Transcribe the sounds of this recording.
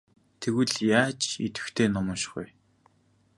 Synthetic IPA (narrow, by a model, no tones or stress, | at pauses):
t̪ʰeɣɘ̆ɮjaːt͡ɕḭt̪ɘ̥̆xt̪ʰeːnɔmɔ̆ːʃ̆χṵj